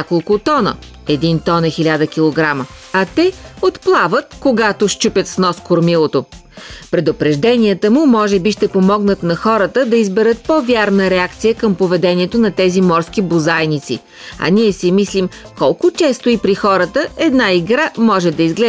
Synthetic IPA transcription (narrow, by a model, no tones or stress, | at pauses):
akolˠkʊt̪ɔnə̰ | ɛd̪int̪ɔnɛxilʲad̪əkʲilˠoɡɾaməɐt̪ɛot̪plˠavət̪koɡat̪oʃt͡ʃupʲət̪snɔskoɾmilˠot̪o | pɾɛd̪ʊpɾɛʒd̪ɛniət̪əmʊmɔʒɛbiʃt̪ɛpomɔɡnət̪nɐxɔɾət̪əd̪ɐizbɛɾət̪̚pɔvʲjaɾnəɾɛakt̪sijəkəmpovɛd̪ɛniɛt̪onɐt̪ɛzimɔɾskibʊzajnit̪sḭ | ɐ̰niɛsimislim | kɔlˠkʊt͡ʃɛst̪ʊipɾixɔɾət̪əɛd̪naiɡɾamɔʒɛd̪ɐizɡlɛ